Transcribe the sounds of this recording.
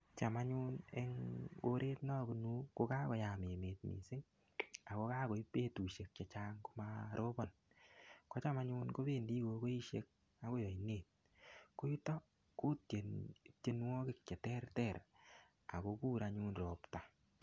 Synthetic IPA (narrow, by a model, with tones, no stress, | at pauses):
t͡ʃa˨ma˦ɲu˦neŋo˦ɾʔe˦tna˦bu˨nu˦ko˦ka˦kɔ˨ja˨me˨meː˨t̚mḭ˨sɪ˦ŋ | a˨ko˧˦kaː˦ko˨i˦pe˦tu˨ʃe˨k̚t͡ʃa˨t͡ʃaː˦ŋko˦ma˦ɾʔo˦bɔ˨n | kɔ˦t͡ʃa˦ma˦ɲuː˦nko˦be˦ndi˦ko˧ko˦i˦ʃe˦k̚ | a˨˦ko˦jɔ˨i˨ne˨t̚ | ko˦ju˦tɔ˦ | ko˦te˨tje˦nwɔ˦kɪ˦˨k̚t͡ʃɛ˨tɛ˦rtɛ˨r | a̰˨ko˧kuː˦ɾa˧ɲu˦nro˨pta˨